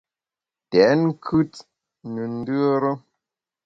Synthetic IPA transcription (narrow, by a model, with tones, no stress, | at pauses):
tɛ˨˦n˦kʰʉ˦t̚ | nə˨n̩˦dɯ˦ə˦ɾə˦